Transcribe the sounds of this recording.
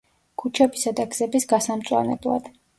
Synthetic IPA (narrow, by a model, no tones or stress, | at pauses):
kʰut͡ʃʰɛbisad̪aɡz̥ɛbisɡasamt̪sʼwa̰nɛ̰blˠa̰d̪̥